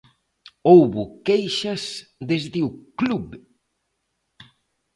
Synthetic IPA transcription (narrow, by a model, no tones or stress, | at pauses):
owβʊkejʃɐsðezðɪʊkluβ